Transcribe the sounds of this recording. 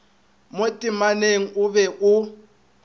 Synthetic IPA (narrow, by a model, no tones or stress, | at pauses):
motʼimaneŋ̩ʊβɛʔʊ